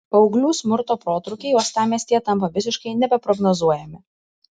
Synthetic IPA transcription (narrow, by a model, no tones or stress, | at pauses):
pɒʊɡlʲuːsʲmʊɾt̪oːpɾoːt̪ɾʊkʲɛɪjoːst̪ɑːmʲiɛsʲt̪ʲijɛt̪ɐmpɐʋʲɪsʲɪʃkɐɪnʲɛbʲɛpɾɔɡnozuɔjɛmʲɪ